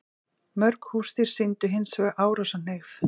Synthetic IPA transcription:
mœɾkhuːst̪iɾ̥sint̪ʏɦɪnsvɛɣʔaːwɾasan̥exθ

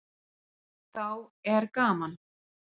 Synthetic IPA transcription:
θawɛɾkaːman

